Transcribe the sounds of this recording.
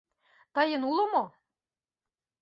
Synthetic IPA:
t̪ɑjɤ̆nulŏmo

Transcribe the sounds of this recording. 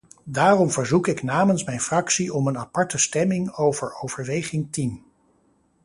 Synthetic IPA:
daːrɔmvəɹzukɪknaːmənsmɛjnfrɑksiɔmənapɑɹtəstɛmɪŋowvəɹowv̥əɹʋejχɪŋtim

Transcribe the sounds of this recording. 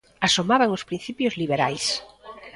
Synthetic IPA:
asomaβaŋospɾĩn̟θipjozliβ̞eɾajs

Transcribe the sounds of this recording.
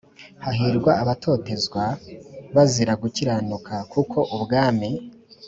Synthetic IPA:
haɦiɾɡwaːβatʰo̞ːte̞zɡwaβaziɾaɡuciɾanukʰakʰukʰo̞ʔubɡaːmi

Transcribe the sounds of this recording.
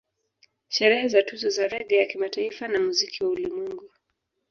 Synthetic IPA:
ʃɛɾɛhɛzatuzɔzaɾɛɠɛjakimataifanamuzikiwaulimwɛŋɡu

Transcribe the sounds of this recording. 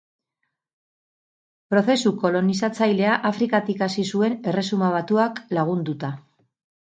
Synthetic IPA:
pɾo̞θe̞suko̞lo̞nisat͡sajle̞aʔafɾikat̪ikasisue̞ne̞re̞sumaβ̞at̪uaklaɣ̞und̪ut̪a

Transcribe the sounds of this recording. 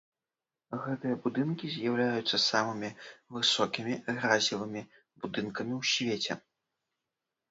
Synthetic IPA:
ɣɛt̪ɨjɐbud̪ɨnkʲizʲjawlʲajut̪sːɐsamɨmʲivɨsɔkʲimʲiɣɾazʲivɨmʲi | bud̪ɨnkɐmʲiwsʲvʲet͡sʲɛ̰

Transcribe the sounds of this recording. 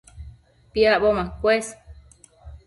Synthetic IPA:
piaʔbomãkwes

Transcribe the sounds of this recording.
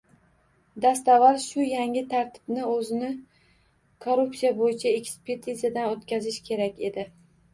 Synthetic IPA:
d̪ast̪avaɾʃʊjaŋɪt̪ʰaɾt̪ʰɪ̥b̥nɪɵzɪnɪ | kʰoɾupsijabojɪt͡ʃʰae̞kʲspʰe̞ɾt̪ʰizad̪anot̪kʲʰazɪʃkʲʰe̞ɾakʲe̞d̪ɪ

